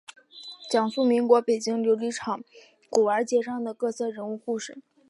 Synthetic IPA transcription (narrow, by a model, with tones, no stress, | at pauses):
t͡ɕjɑ˨˩ŋfu˥˩mi˧˥ŋkwɔ˧˥pe˨˩ɪt͡ɕi˥˩ŋljo˧˥ʊli˧˥ʈ͡ʂʰɑ˨˩˦ŋ | ku˨˩ə˞˧˥t͡ɕjɛ˧˥ʂɑ˥˩ŋd̪ə˩kɤ˥˧t͡sʰɤ˥˩ɻə˧˥nu˥˧xu˥˧ʂɻ̩˥˩˦